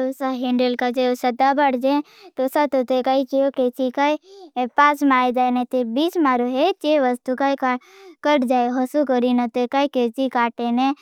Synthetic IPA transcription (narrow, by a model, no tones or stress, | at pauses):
ʊsaɦeɳɖəlkad͡ʒeosɐd̪abəɽd͡ʒe | t̪osat̪ot̪ekait͡ʃijoket͡ʃikaipaːsmaːed͡ʒaːenet̪ebit͡ʃmaːɾoɦet͡ʃeʋəst̪ukakakəʈd͡ʒaːeɦəsukəɾinɐt̪ekaiket͡ʃikaːʈene